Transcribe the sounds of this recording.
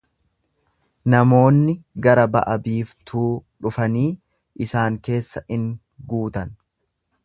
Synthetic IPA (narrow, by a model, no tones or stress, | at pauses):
nɐmo̞ːnːɪɡɐɾɐbɐ̰ʔɐbiːft̪ʰuːᶑʊfɐniː | ʔɪsaːŋke̞ːsːɐɪŋ | ɡuːt̪ɐn